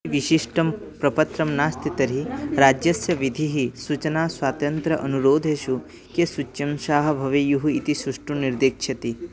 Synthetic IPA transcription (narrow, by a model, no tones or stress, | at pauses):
ʋiʃiʂʈɐm | pɾɐpət̪ɾɐmnaːst̪it̪ɐɾiɾad͡ʒjɐsjɐʋid̪ʱiɦisut͡ʃənasʋaːt̪ɐnt̪ɾɐʔənuɾoːd̪ʱeʃu | kesut͡ʃːɐmʃaːɦɐ̆bʱɐʋijuɦuit̪isuʂʈuniɾd̪eːkt͡ʃʰɐt̪i